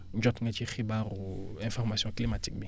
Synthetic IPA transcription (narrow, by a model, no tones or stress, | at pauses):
ɲd͡ʒɔtŋɡɛt͡ʃiχibarʊɛ̃fɔʁmasjɔ̃klimatik̚bi